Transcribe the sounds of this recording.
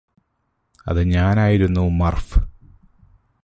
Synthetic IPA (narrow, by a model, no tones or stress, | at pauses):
ɐ̰ðɨɲaːnaːjiɾunːumɐrfɨ